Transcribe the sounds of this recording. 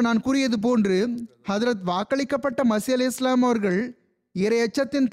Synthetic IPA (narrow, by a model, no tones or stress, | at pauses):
naːnkuːɾɪjɐðɯp̬oːndrɯhɐðɾɐt̪ʋaːkːɐɭɪkːɐpːɐʈːɐmɐsɪjɐlɐɪslaːmɐʋɐɾɣɐɭ | ɪɾɐjɐt͡ʃːɐt̪ːɪnt̪